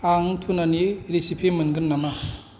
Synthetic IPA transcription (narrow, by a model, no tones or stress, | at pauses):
aŋtʰunaniɾisipʰimɯnɡɯnːama